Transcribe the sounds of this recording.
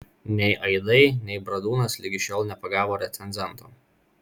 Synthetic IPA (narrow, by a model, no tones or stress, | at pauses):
nʲɛɪʔɐɪd̪ɐɪnʲɛɪbɾɐd̪uːnɐslʲɪɡʲɪʃʲoːlˠnʲɛpɐɡɑːʋoːɾʲɛt̪sʲɛnʲzʲɛnˑt̪oː